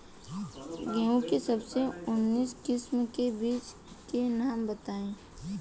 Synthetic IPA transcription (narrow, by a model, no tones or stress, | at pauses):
ɡɛ̃ũkesəbseʊnːiːskɪsmkebiːt͡ʃ | kenaːmbət̪aːẽː